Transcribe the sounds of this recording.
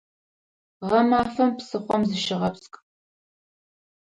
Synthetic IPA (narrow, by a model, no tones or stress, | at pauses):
ʁɐmaːfɐmpsɨχʷɔmzɨʃɪʁɐpskʼ